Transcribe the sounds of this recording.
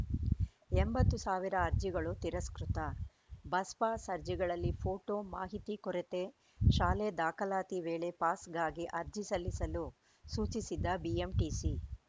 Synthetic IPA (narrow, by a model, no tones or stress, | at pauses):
embɐt̪ːusaːʋiɾɐːɾd͡ʒiɡɐɭut̪iɾɐskɾut̪ɐ | bɐspaːsɐɾd͡ʒiɡɐɭɐlːipʰoːʈoːmaːɦit̪ikɔɾet̪e̞ | ʃaːled̪aːkʰɐlaːt̪iʋeːɭepaːsɡaːɡiʔɐɾd͡ʒisɐlːisɐlu | suːt͡ʃisid̪ːɐbiemʈiːsi